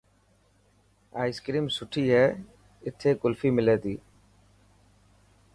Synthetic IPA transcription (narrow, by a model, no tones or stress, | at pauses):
aːɪskɾiːmsʊʈʰiːɦɛː | ɪt̪ʰeːkʊlfiːmɪleːt̪iː